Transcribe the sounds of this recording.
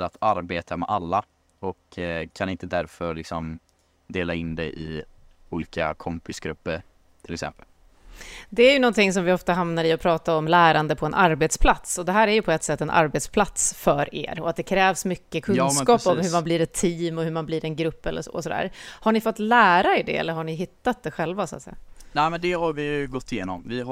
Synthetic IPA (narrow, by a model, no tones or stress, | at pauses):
lat̪ʰaɾbeːt̪ʰamɛ̰ʔalːa | ɔkkʰːanɪnt̪əd̪æɾfœɾlɪksɔm | d̪eːlaɪnd̪ɛ̰ʔɪ̰ | uːliːka̰kʰɔmpɪsɡɾɵpːəɾ | t̪ʰɪlɛksɛ̰mpəl | d̪ɛæɾjɵnɔnt̪ʰɪŋs̬ɔmvɪɔft̪aɦamnaɾɪɔpʰɾɑːt̪aɾɔmlæːɾand̪əpʰɔɛnʔaɾbeːt̪spʰlat̪sɔd̪ɛɦæːɾæɾjɵpʰɔɛt̪ːsɛt̪ːɛnʔa̰ɾbeːt̪spʰlat̪sfœɾḛːɾɔ̰at̪̚d̪ɛkʰɾɛːvsmʏkːəkʰɵskɑːpɔmhɵmanbliːɾɛt̪ʰːiːmɔhɵɾmanbliɾɛnɡɾɵpːɛlːə̰ɾʂo̰ːɔsɔd̪æ̰ːɾhaɳɪfɔt̪ːlæːɾaɛɖɛ̰ɛ̰lːəɾɦaɳɪɦɪt̪ːat̪̚d̪ɛɧɛlvasʊat̪sɛ̰jːa̰næːmɛnd̪ɛhaɾvɪjɡɔt̪ːɪjeːnɔmvɪ